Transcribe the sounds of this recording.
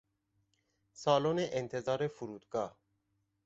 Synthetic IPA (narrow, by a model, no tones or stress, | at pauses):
sɒːloːneʔent̪ʰe̞zɒːɾe̞fuɾuːd̪ɡɒːh